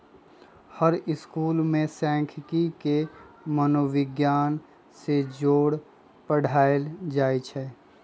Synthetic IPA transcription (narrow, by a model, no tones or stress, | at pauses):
həɾɪskuːlmẽsɛ̃ːkʰkikemənoʋɪɡjaːn | sed͡ʒoːɽ | pəɽ̤ʱaːeld͡ʒaːet͡ʃʰɛ